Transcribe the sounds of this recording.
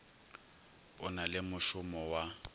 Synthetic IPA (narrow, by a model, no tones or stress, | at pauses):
ʊnalɪmʊʃʊmɔwa